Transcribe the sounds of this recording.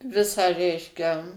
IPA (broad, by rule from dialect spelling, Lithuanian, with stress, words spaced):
ˈʋʲɪsɑː ˈrʲɛɪʃʲkʲɛ